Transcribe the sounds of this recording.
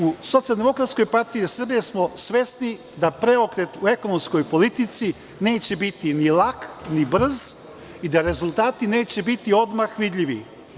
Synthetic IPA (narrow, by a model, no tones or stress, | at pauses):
uso̞t̪sijald̪emo̞kɾat̪sko̞jpaɾt̪ijisr̩bije̞smo̞sʋe̞sni | d̪apɾe̞okɾet̪ue̞konomsko̞jpo̞lit̪it̪si | ne̞ːt͡ɕe̞bit̪inilˠaknibr̩z | id̪aɾe̞zulˠt̪aːt̪ine̞ːt͡ɕe̞bit̪io̞d̪maxʋid̪ʎʲiʋi